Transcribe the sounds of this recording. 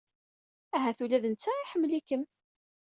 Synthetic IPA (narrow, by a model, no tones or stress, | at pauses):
æɦæθulæðənt͡sːæiħəmːlikəm